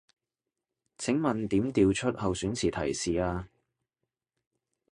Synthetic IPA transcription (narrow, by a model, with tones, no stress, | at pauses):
t͡sʰɪ˨˥ŋmɐ˨˩nt̪iː˨˥mt̪iː˨˧wt͡ʃʰɵ˥t̚hɐ˨wsyː˨˥nt͡sʰiː˨˩t̪ʰɐ˨˩jsiː˨aː˧